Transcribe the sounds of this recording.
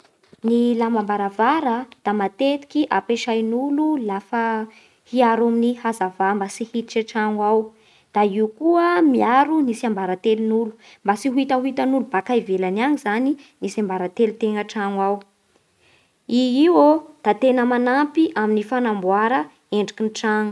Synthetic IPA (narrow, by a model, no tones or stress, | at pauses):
nilamambaɾavaɾəd̪̥amat̪et̪i̥kʲiʔapeʃajnululafə | hiaɾaminihazavambasihit̪it͡ʃaʈ͡ʂaŋwaw | d̪̥aiukuəmiaɾunisambaɾat̪elunulu̥ | mbasiɦuit̪aɦuit̪anulubakajvelanaŋizaninisambaɾat̪elut̪eŋəʈ͡ʂaŋwaw | iiwod̪̥at̪enəmanampiʔaminifanambwaɾə | eɳɖ͡ʐikʲinʈ͡ʂaŋu̥